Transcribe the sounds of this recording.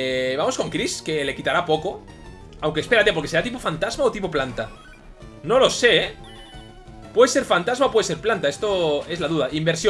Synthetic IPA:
βamo̞sko̞ŋkɾiske̞le̞kit̪aɾapo̞ko̞ | awŋkespeat̪epoɾkese̞ɾat̪ipofant̪azmao̞t̪ipoplant̪a | no̞lo̞se̞e | pwe̞ðese̞ɾfant̪azmaopwe̞ðese̞ɾplant̪ae̞st̪o̞e̞zlaðuðaʔimbe̞ɾsjo

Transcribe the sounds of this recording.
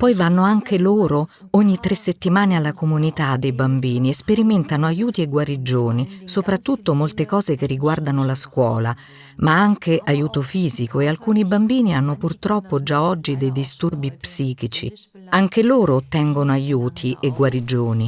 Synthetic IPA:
pɔjvanːoaŋkʰeloːɾooɲːit̪ɾesːet̪ːimaːnealːakomunit̪ad̪ːejbambiːniespeɾimɛnt̪anoajuːt̪iɛɡwaɾid͡ʒoːnisopɾat̪ːut̪ːomolt̪ekɔːzekerːiɡward̪anolaskwɔ̰ːla | maaŋkʰeʔajuːt̪ofiːzikoealkuːnibambiːnianːopurt̪ɾɔpːod͡ʒaɔd͡ʒːid̪ejd̪ist̪urbipsiːkit͡ʃḭ | aŋkeloːɾot̪ɛŋɡonoajuːt̪ʰiʔeɡwaɾid͡ʒoːni

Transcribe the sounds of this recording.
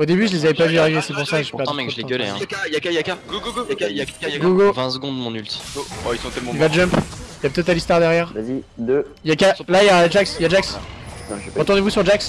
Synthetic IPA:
od̪ebyʒəlezavɛpavyaʁivesɛpuʁsakʒəʃipãmɛ̃kʒəleɡəlɛ̃ajakajakaɡuɡɡaaaɡuɡovɛ̃səɡɔ̃d̪mɔ̃nylt̪i̥aisɔ̃kɛ̃ilvaʒœ̃piljapøt̪ɛt̪alist̪waʁd̪ɛʁjɛːʁvzid̪ | jakalajaʒaksjad͡ʒaks | ʁət̪uʁ̃nevusyʁdd͡ʒaks

